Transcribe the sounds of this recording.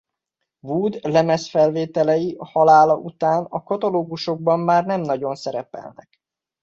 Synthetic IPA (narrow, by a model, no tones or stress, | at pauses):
vuːd̪lɛmɛsfɛlveːt̪ɛlɛjiʔɒhɒlaːlɒʔut̪aːnɒkɒt̪ɒloːɡuʃo̞ɡ̚bɒmːaːrnɛmnɒɟo̞nsɛɾɛpɛ̰lnɛ̰k